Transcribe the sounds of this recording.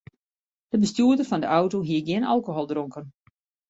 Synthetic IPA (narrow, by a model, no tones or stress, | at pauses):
d̥əbəstjuədərfɔndəʔawtoɦiəɡjɪna̰lˠkoɦolˠdroŋkən